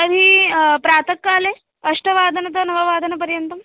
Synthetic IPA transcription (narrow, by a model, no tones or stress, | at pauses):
ɐɾiːpɾaːt̪ʰɐkːaːle | ɐʂʈɐʋaːd̪ʱɐnɐt̪ɐnɐʋɐʋaːd̪ʱɐnɐp̬ɐɾjɐnt̪ɐm